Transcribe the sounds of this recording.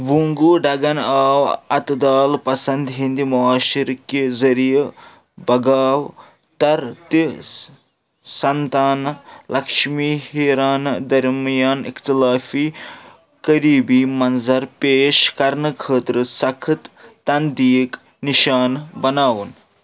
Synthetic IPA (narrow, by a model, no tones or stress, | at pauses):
ʋuŋɡuːɖɐɡɐnaːwɐt̪d̪aːlpɐsɐnd̪ɦind̪imɔaːʃiɾkezɐɾije | bɐɡaːw | t̪ɐɾt̪i | sɐnt̪aːnlʔɐkʂmiːhiɾaːnd̪ɐɾmjaːnikt̪ilaːfiː | kɐɾiːbiːmɐnzɐɾpeːʃkɐɾnəkʰəːt̪ɾəsɐkʰɨt̪ːɐnd̪iːk | niʃaːnbɐnaːʋun